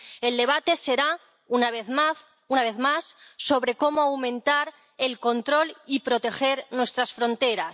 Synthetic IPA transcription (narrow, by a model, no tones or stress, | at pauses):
e̞ld̪e̞β̞at̪e̞se̞ɾa | unaβeθma | unaβ̞eθmasːo̞βɾe̞ko̞moawmẽ̞nt̪aɾ | e̞lko̞nt̪ɾo̞lipɾo̞t̪e̞xe̞ɾnwe̞st̪ɾasfɾo̞nt̪e̞ɾas